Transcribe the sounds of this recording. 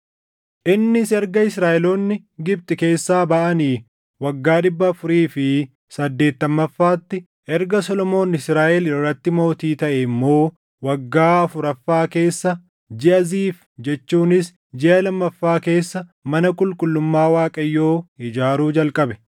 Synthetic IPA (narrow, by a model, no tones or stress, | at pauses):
ʔɪnːɪsɛɾɡɐɪsɾaːʔɛloːnːɪ | ɡɪb̚t̪ʼɪke̞ːsːaːbɐʔɐniː | wɐɡːaːᶑɪbːɐfʊɾiːfɪ | sɐd̪ːe̞ːt̪ːɐmːɐfːaːt̪ːɪ | ʔɛɾɡɐsɔlɔmo̞ːnɪsɾaːʔɛlɪrːɐt̪ːɪmo̞ːt̪iːt̪ɐʔɛmːo̞ː | wɐɡːaːɐfʊɾɐfːaːke̞ːsːɐ | d͡ʒɪʔɐziːf | d͡ʒɛt͡ʃːuːnɪs | d͡ʒɪʔɐlɐmːɐfːaːke̞ːsːɐmɐnɐkʼʊlkʼʊlːʊmːaːwaːkʼɐjːo̞ːɪd͡ʒaːɾuːd͡ʒɐlkʼɐbɛ̥